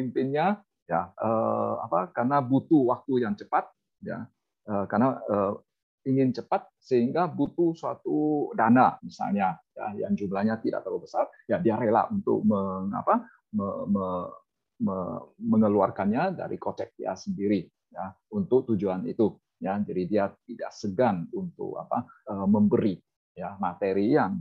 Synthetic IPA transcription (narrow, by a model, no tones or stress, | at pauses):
impɪnɲa | ja̰ʔəa̰pakarnabut̪uwak̚t̪ujaŋt͡ʃəpat̪̚ | ja̰ | əkarnaə | iŋɪnt͡ʃəpat̪̚səɦiŋɡabut̪usuat̪udanamisa̰lɲaja̰ja̰ŋd͡ʒumlahɲat̪ida̰ʔ̚t̪əluhbəsarjadiaɾela̰ʔunt̪ʊ̰k̚məŋa̰pa | məmə | məməŋəluarkanɲada̰ɾḭkot͡ʃɛk̚ija̰səndiɾi | ja | unt̪ʊk̚t̪ud͡ʒuanit̪u | jad͡ʒadidiat̪̚ida̰ʔsəɡanunt̪ʊ̰k̚a̰paəməmbəɾi | jamat̪eɾiaŋ